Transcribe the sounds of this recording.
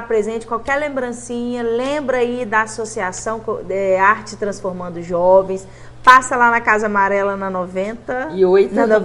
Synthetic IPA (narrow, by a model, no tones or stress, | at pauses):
apɾezẽnt͡ʃɪ̥kwawkɛɾlẽmbɾɐ̃sĩɲɐlẽbɾɐaid̪ɐasosiasɐ̃w̃kɛaɾt͡ʃɪt̪ɾɐ̃sfoɾmɐ̃nd̪ʊʒɔvẽj̃s | pasɐlanɐkazɐamaɾɛlɐnɐnovẽt̪ɐioj̪ɐ